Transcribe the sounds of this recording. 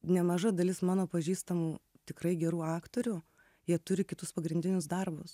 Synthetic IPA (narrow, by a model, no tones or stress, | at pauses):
nʲɛmɐʒɐd̪ɐlʲɪsmɑːnoːpɐʒʲiːst̪ɐmuː | t̪ʲɪkɾɐɪɡʲɛɾuːɑːkt̪oːɾʲu | jiɛt̪ʊɾʲɪkʲɪt̪ʊspɐɡɾʲɪnʲd̪ʲɪnʲʊsd̪ɐrbʊs